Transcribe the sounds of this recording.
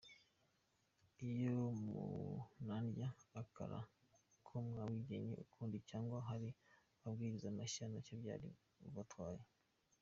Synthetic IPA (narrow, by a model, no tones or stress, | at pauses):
ijomṵnandjaːkʰa̰ɾa̰ | kʰomŋawiɟeɲḛʔukʰuːndicaːŋɡwaɦaɾi | abɡiːɾizamaʃanat͡ʃobja̰ːɾḭ | uβatwaːje